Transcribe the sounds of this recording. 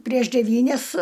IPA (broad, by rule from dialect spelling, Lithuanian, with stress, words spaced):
pʲrʲiɛʃ dʲɛˈʋʲiːnʲɛs